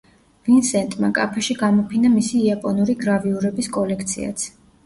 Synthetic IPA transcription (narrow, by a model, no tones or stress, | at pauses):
vinsɛnt̪ʼma̰kʼa̰pʰɛʃiɡamɔpʰinamisiːapʼɔnuɾiɡɾaviuɾɛbiskʼɔlɛkʰt̪sʰḭa̰t̪sʰ